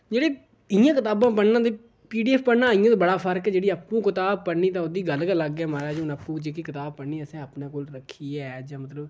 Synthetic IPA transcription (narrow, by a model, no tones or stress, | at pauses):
d͡ʒeːɽeː | ɪjãːkɪt̪aːbãːp̬əɳnãːt̪̬eː | piːɖiːɛːpʰpəɽnãːɪjãːt̪eːbəɽaːpʰəɾkɛːd͡ʒeːɽiːaːpːũːkɪt̪aːb̚pəɽniːt̪ãːʊd̪iːɡəlkəlːəɡɛːmaːɾaːd͡ʒʊnaːpũːd͡ʒeːk̬iːkɪt̪aːb̚pəniːəsẽːaːpnẽːkoːlɾəkʰːiːɛːd͡ʒãːmət̪ləb